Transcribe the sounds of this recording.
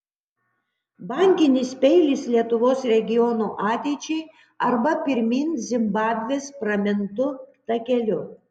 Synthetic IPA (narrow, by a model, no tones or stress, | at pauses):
bɑŋʲkʲɪnʲɪspʲɛɪlʲɪslʲiɛt̪ʊʋoːsɾʲɛɡʲɪjɔnuʔɑːt̪ʲɛɪt͡ʃʲɛɪ | ɐɾbɐpʲɪɾʲmʲinʲzʲɪmbɑːbʲʋʲeːspɾɐmʲɪnt̪ʊt̪ɐkʲɛlʲʊ